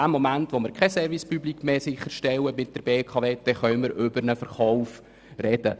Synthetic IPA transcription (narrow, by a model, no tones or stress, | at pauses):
æːmomæntʋomɪɾkʰɛsɛɾvispyblikmeːsɪχːəɾʃtɛwəmɪt̚d̥əɾb̥eːkʰɑveːd̥ɛχœʏməɾʔʏbəɾnəfəɾχɔʊf | rɛd̥ə